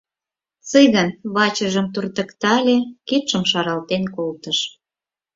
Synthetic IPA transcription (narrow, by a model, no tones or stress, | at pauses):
t͡sɨjɣɑnβɑt͡ɕəʒəmt̪urt̪ə̆kt̪ɑlʲekip̪ʃəmʃɑɾɑlt̪enkolt̪ə̆ʃ